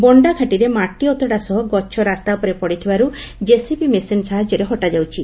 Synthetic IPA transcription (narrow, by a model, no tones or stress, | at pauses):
bɔɳɖaɡʰʱaʈiɾemaʈiɔt̪ɔɽasɔɦɔɡɔt͡ʃʰɔɾast̪apɔɾepɔɽit̪ʰibaɾud͡ʒesipimesensaɦad͡ʒɔɾeɦɔʈad͡ʒawt͡ʃʰi